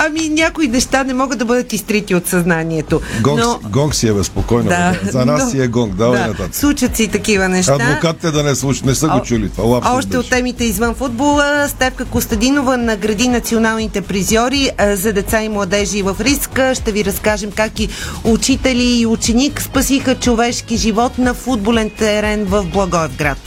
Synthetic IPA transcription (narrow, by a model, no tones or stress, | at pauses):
ɐminʲakoinɛʃt̪anɛmɔɡəd̪ɐbɤd̪ət̪ist̪ɾit̪iot̪sɐznaniɛt̪oɡɔŋnoɡɔŋksiɛbɛspokɔjnnd̪azɐnassiɛɡɔŋɡd̪aɐnɐt̪at̪slˠut͡ʃət̪sit̪ɐkivənɛʃtɐd̪avokat̪ːɛd̪ɐnɛslˠuʃinɛsəɡot͡ʃulit̪valˠafɔʃt̪ɛot̪ːɛmit̪ɛizvənfud̪̚bolˠəst̪ɛfkəkost̪ɐd̪inovənɐɡɾɐd̪inɐt̪sionalˠnit̪ɛpɾizɔɾizɐd̪ɛt̪saimlˠɐd̪ɛʒiːvəfɾiskəʃt̪ɛviɾɐskaʒɛmkakiut͡ʃit̪ɛlʲiːut͡ʃɛnikspɐsixət͡ʃovɛʃkiʒivɔt̪nɐfud̪̚bolɛnt̪ɛɾɛnvəvblˠɐɡɔɛvɡɾat̪